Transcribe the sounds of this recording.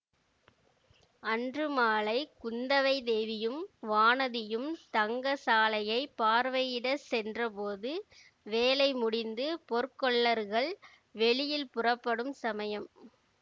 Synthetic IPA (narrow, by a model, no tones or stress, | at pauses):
ɐndrɯmaːɭɐɪkʊnd̪ɐʋɐɪd̪eːʋɪjɯmʋaːnɐðɪjɯmt̪ɐŋɡɐsaːlɐjɐɪpːaːɾʋɐjɪɽɐsɛndrɐpoːðɯ | ʋeːlɐɪmʊɽɪnd̪ɯpɔɾkɔɭːɐɾɣɐɭ | ʋɛɭɪjɪlpʊrɐpːɐɽɯmsɐmɐjɐm